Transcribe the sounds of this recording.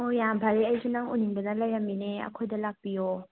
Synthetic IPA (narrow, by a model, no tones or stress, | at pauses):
ojabʱaɾiajzinaŋuniŋbɐnɐlajamːineɐ̰kʰojdɐlak̚pijo